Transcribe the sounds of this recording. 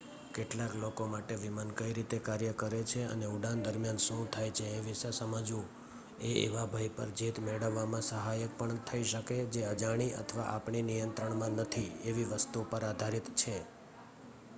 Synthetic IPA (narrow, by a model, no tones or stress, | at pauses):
keʈlaklokomaʈeʋimankəiɾit̪ekaɾjəkəɾet͡ʃʰeə̰neuɖãnd̪əɾmjanʃũt̪ʰajt͡ʃʰeːʋiʃesəməd͡ʒũ | eḛʋabʱajpəɾd͡ʒit̪meɽəʋːamãsəɦajək̚pəɳt̪ʰəiʃəked͡ʒeəd͡ʒaɽ̃iʔə̰t̪ʰəʋa̰ʔapɳinijənt̪ɾəɳmãnət̪ʰieʋiʋəst̪upəɾad̪ʱaɾit̪t͡ʃʰe